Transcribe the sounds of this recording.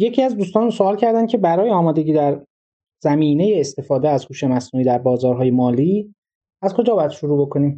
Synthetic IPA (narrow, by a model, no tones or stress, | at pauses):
jecʰiæzd̪uːst̪ɒːnsoɒːlcʰæɾd̪æncʰe̞bæɾɒːjeɒːmɒːd̪e̞ɟʲiːd̪æɾ | zæmiːne̞jeːst̪e̞fɒːd̪eæzhuːʃe̞mæsnuːiːd̪æɾbɒːzɒːɾɦɒːje̞mɒːliː | æzkʰo̞d͡ʒɒːbɒːjæd̪ʃoɾuːbo̞kʰo̞niːm